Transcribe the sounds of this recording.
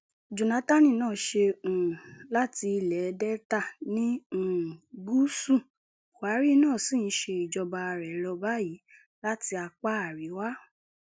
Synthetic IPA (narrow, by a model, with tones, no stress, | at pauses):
d͡ʒũ˨na˨˦ta˦nĩ˦˨nãː˦˨ʃe˧ũ˨la˦ti˧i˧lɛ˨˧dɛ˦ta˦˨nĩ˦˨ɡ͡bu˦sũ˦˨ | wa˨˦ɾi˦nãː˦˨si˦˨n̩˨˦ʃe˧i˨d͡ʒɔ˧ba˧ɾɛ˨˦lɔ˧ba˦ji˨˦ | la˦ti˧a˧k͡pa˦a˨ɾi˨˦wa˦